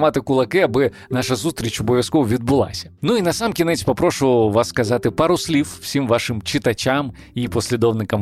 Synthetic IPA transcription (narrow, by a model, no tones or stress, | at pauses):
mɑt̪ɪkʊlˠɐkɪɐbɪ | nɑʃɐzust̪ʲɾʲit͡ʃɔbɔʋʲjɐskɔʋʊʋʲid̪̚bʊlˠɑ̰sʲɐ̥nuinɐsɑmkʲinɛt͡sʲpɔpɾɔʃʊʋɐʋɑsːkɐzɑt̪ɪpɑɾʊsʲlʲiwːsʲimʋɑʃɪmt͡ʃɪt̪ɐt͡ʃʲam | ipɔsʲlʲid̪ɔwnɪkɐm